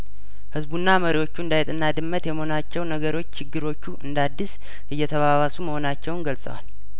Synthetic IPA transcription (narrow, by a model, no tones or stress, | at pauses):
hɨzbunːaməɾiwo̞t͡ʃːuɨnd̪ajɛt̪ʼɨnːad̪ɨmːət̪jɛməhonat͡ʃːɛwnəɡəɾo̞t͡ʃːt͡ʃʰɪɡːɨɾo̞t͡ʃːuʔɨnd̪ad̪ːɨs | ʔɨjːɛt̪ʰəβaβasuməho̞nat͡ʃːɛwnɡəlsʼə̰wa̰l